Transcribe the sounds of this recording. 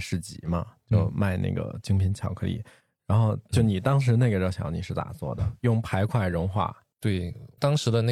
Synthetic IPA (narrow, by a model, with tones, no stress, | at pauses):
ʂɻ̩˥˩t͡ɕḭ˨˩˦mɐ˦t͡ɕjo˥˧ʊma˥˧ɪnʔa̰˥˩ɡə̰˩t͡ɕi˥ŋpʰi˧˥nt͡ɕʰjɑ˨˩ʊkʰɤ˧˥lḭ˨˩˦ | ɻa˧˥nxo˥˧ʊt͡ɕjo˥˩ʊni˨˩t̪ɑ˥ŋʂ̬ɻ̩˧˥ne˥˩ɡə˩ʈ͡ʂɕj̰ni˨˩ʂɻ̩˥˧t̪a̰˨˩t͡swɔ̰˥˩d̪ə˩jʊ˥˩ŋpʰa˧˥ɪkʰwa˥˩ɪɻʊ˧˥ŋxwa̰˥˩ | t̪we˥˩ɪt̪ɑ˥ŋʂɻ̩˧˥d̪ə˧ne˥˩